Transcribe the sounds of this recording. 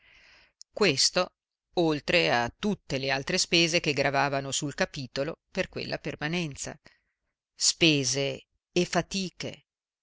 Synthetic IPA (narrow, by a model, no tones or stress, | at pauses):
kwest̪o | olt̪ɾeat̪ːut̪ːelealt̪ɾespeːzek̟eɡɾavaːvanosulkapiːt̪oloperkwḛlːʔa̰permanɛnt̪sa̰ | speːzeː | fat̪iːkḛ